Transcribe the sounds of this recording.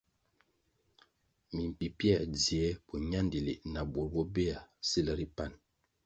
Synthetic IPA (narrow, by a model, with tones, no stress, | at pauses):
mi˨m˨pi˨pjɛ˦˨d͡zi˨ɛ˦pɔ˨ɲa˦ndi˨li˨na˨bu˨ɾbɔ˦be˦a˨si˦la˦ɾi˦pa˦˨n